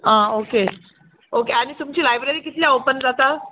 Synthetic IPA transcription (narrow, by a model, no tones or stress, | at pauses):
ãoke | okeaɽ̃it̪umt͡ɕiːlajbɾeɾiːkit̪ljaopənd͡zat̪a